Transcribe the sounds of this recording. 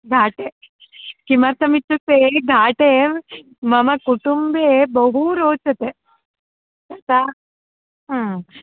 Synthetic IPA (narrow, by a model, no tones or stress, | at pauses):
ɡʱaːʈe | kimɐɾt̪ʰɐmit͡ʃːut̪eɡʱaːʈe | mɐmɐkuʈumbebɐɦuɾoːt͡ʃːɐt̪e | ɐt̪a